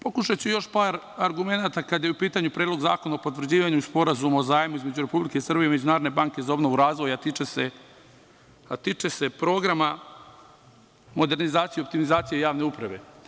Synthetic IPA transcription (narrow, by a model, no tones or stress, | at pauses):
po̞kuʃat͡ɕejo̞ʃpaːɾ | aɾɡume̞nat̪akad̪jeupiːt̪aɲupɾeːd̪lo̞ɡza̰ːko̞naopo̞t̪ʋrd͡ʑiːʋaɲuspo̞ɾazumaozaːjmuizme̞d͡ʑuɾe̞publike̞isr̩bije̞ime̞d͡ʑunaːɾod̪nebaŋke̞zao̞bnoʋuɾaːzʋo̞jat̪it͡ʃese | at̪it͡ʃese̞pɾo̞ːɡɾama | mo̞d̪e̞ɾnizaːt̪sijept̪imizaːt̪sije̞ijaːʋne̞upɾaʋe̞̰